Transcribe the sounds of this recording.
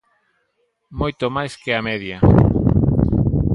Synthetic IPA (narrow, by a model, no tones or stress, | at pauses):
mojt̪omajskeamɛðja